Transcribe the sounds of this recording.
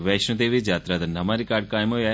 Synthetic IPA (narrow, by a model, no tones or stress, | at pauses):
ʋɛʃnũd̪eʋid͡ʒaːt̪ɾad̪ɐnɐmaɾikaːɾɖkaːjmoja